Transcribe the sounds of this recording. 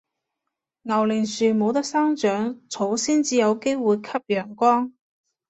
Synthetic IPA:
ŋɐ˨˩wlɪ˨˩ŋsyː˨˩mo˨˧wt̪ɐ˥k̚saː˥ŋt͡ʃœː˨˥ŋt͡sʰo˨˥wsiː˥nt͡siː˧jɐ˨˧wke˥jwuː˨jkʰɐ˥p̚jœː˨˩ŋkɔː˥ŋ

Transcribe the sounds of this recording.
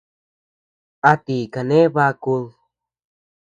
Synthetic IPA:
a˧t̪i˨ka˨ne˦βa˧ku˧l

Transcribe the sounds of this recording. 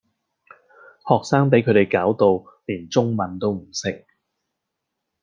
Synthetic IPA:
hɔː˨k̚saː˥ŋp̬e˨˥jkʰɵ˨˧t̪e˨jkaː˨˥wt̪o˨w | liː˨˩nt͡ʃʊ˥ŋmɐ˨˧nt̪o˥wm̩˨˩sɪ˥k̚

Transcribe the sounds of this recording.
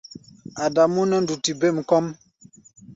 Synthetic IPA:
a˨da˨mu˦nə˦n̩˦du˨ti˨be˦˨m̩˨kɔ˦m

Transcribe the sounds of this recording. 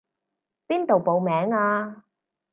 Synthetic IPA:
piː˥nt̪o˨wpo˨˧wmɛː˨˥ŋaː˧

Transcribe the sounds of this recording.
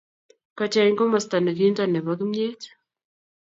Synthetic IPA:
ka˨t͡ʃa˨i˦ŋko˦ma˨sta˨na˨ki˦nta˦˨nɛ˨βa˨˦ki˦mɲe˦t

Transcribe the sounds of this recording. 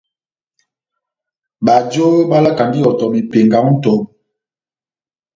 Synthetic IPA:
ɓa˨d͡ʒo˦ba˦la˦ka˨ndi˦ɔ˨tɔ˨mi˨pe˨ŋɡa˨ŋu˦n̩˦tɔ˨m˨

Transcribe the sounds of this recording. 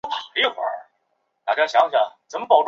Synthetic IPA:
pʰa˨˩˥ə˥˩xwa̰˧˥ | t̪a˨˩t͡ɕja˥˩ɕjɑ˧˥ŋ˧ɕja˧˩t͡sə˨˩nmə˧pɑ˨˩ʊʈ͡ʂ

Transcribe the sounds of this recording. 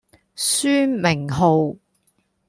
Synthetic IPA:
syː˥mɪ˨˩ŋɦo˨˧w

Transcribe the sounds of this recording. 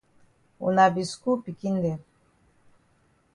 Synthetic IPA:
ṵ˨na˨bi˨sku˦pi˨ki˦n˦dɛ˨

